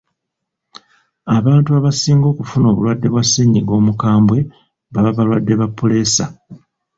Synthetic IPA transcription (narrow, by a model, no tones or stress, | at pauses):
aβaːntuaβasiːŋɡo̞ːkufuno̞βṵlwadːe̞βwasiɲiɡo̞ːmukaːmbwe̞ | βaβaβalwadːe̞βapːule̞ːsa̰